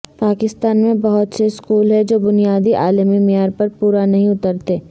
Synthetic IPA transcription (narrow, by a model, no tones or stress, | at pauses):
paːkɪst̪aːnmẽbɐɦʊt̪seskuːlɦɛd͡ʒoːbʊnijaːd̪iʔaːləmimɪjaːɾpɐɾpuːɾanɐɦĩʊt̪əɾt̪eː